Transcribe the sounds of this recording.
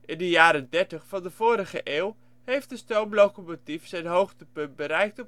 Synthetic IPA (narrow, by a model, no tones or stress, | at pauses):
ʔɪndəjaːɾədɛɹtəχfɑndəvoːɾəχəʔeːwˠ | hejftdəstowmlowkomotifsɛjnɦowχtəpɵnt̚bəɾɛjk̚tɔp